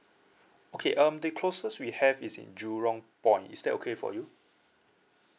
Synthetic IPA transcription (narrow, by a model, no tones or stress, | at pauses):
okʰeʔʌ̃mdəkʰlosəswihɛvisḭ̃nd͡ʒuɹɔ̃ŋpɔ̃ɪ̃ntḭsdɛto̰kʰefɔ̰ju